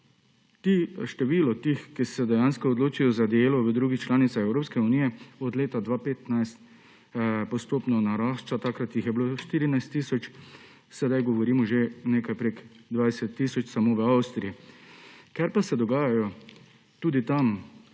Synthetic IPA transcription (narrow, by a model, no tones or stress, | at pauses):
t̪iʃt̪ɛʋiːlɔt̪ixkisɛd̪ɛjanskɔɔd̪loːt͡ʃijɔzad̪eːlɔʋəd̪ɾuːɡixt͡ʃlaːnit̪saxɛwɾoːpskɛuniːjɛɔd̪leːt̪ad̪ʋaːpeːt̪najst̪ | pɔst̪oːpnɔnaɾaːʃt͡ʃat̪akɾat̪jixjɛbiloːʃt̪iːɾinajst̪ːiːsɔt͡ʃ | sɛd̪ajɡɔʋɔɾiːmɔʒeneːkajpɾeːɡ | d̪ʋajsɛt̪ːiːsɔt͡ʃsamoʋəawst̪ɾiji | kɛɾpasɛd̪ɔɡaːjajɔ | t̪uːd̪it̪am